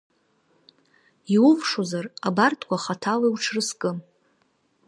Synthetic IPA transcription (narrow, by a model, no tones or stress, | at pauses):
iuvʂozarabartʰʼkʷʰʼaχatʰalajwʈ͡ʂʰrɨskʼɨ